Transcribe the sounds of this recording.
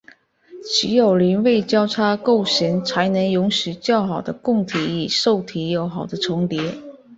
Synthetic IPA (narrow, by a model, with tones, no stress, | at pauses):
t͡ɕʰi˧˥jo˨˩ʊli˧˥nwe˥˧ɪt͡ɕjɑ˥ʊʈ͡ʂʰa˥ko˥˩ʊɕi˧˥ŋt͡sʰa˧˥ɪnɤ˧˥ŋjʊ˧˥ŋɕy˨˩t͡ɕjɑ˥˩ʊxɑ˨˩ʊd̪ə˦kʊ˥˩ŋt̪ʰi˧˥i˨˩ʂo˥˩ʊt̪ʰi˧˥jo˧˥ʊxɑ˨˩ʊd̪ə˦ʈ͡ʂʰʊ˧˥ŋt̪jɛ˧˥